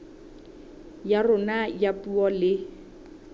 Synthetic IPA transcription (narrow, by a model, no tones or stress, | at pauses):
jarʊnajapuɔlɪ